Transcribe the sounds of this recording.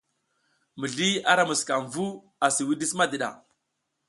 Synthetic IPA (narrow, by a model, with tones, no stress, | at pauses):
mə˨ɮi˦a˦ɾa˦mu˨ska˨mvu˦ | a˨si˨wi˦di˦sma˦di˨ɗa̰˨